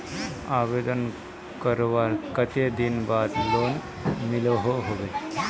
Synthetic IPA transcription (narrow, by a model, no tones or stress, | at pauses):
aːʋeːd̪ən | kəɾʋakət̪ed̪inbaːd̪loːn | mɪloɦoɦoʋe